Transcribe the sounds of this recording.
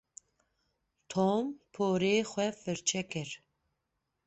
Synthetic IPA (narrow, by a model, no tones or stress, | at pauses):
t̪ʰompʰoːɾeːxwɛfɨɾt͡ʃʰɛkɛɾ